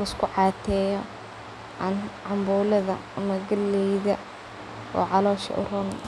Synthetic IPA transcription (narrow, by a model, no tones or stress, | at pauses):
ɪskʰʊʕɑːt̪ʰɛːjɔ | ʕɑnʕɑmbuːlɐðɐɐmɐɡɐlɛjðɐ | ɔ̰ːʕɑlɔːʃɐ̰ʔʊ̰rʊn